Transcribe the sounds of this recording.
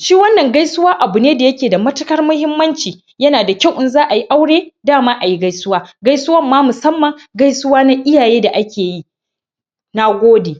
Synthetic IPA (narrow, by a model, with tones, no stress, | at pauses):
ʃi˦wɐ˦nːɐ˨ŋɡa˦jsʊ˦waː˦ʔa˨bʊ˨neː˦da˨jɐ˦kʲeː˨da˨mɐ˦tɐ˦kɐ˦rmʊ˦hɪ˦mːɐ˦nt͡ʃiː˨ | jɐ˦naː˨da˨kʲa˦˨wʔɪ˦nzaː˦ʔa˨ji˦ʔa˦wɽeː˦daː˦˨maː˦ʔa˨ji˦ɡa˦jsʊ˦waː˦ɡa˦jsʊ˦wɐ˦mːaː˦mʊ˨sɐ˦mːɐ˨ŋɡa˦jsʊ˦waː˦na˦ʔɪ˦jaː˨jeː˦da˨ʔa˦kʲeː˨ji˦ | na˦ɡʷoː˦deː˨